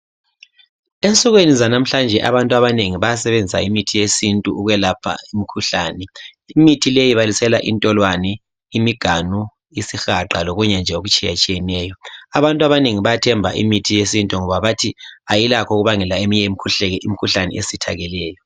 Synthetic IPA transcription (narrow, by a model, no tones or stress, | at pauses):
ent͡sʼɔɣwenizanam̩ɬand͡ʒʱɛʔa̰βantʼuaβaneŋiβajasɛβend͡zʱisa̰imitʰijesintʼuʔuɣwɛlapʰa̰imikʰuɬaːnɛ | imitʰilejiβalisɛlaʔḭntʼɔlwanɛ | imiɡ̥ʱanu | isixaǃaloɣuɲɛnd͡ʒʱɛoɣut͡ʃʼija̰t͡ʃʼijɛnɛːjɔaβantʼaβaneŋiβajatʰɛmbʱa̰ʔḭmitʰijesintʼuŋɔβaβatʰiajilakʰoɣuβaŋɛlaemiɲɛimikʰuɬɛɣɛʔimikʰuɬanɛ̰ʔesitʰa̰ɣɛlɛːjɔ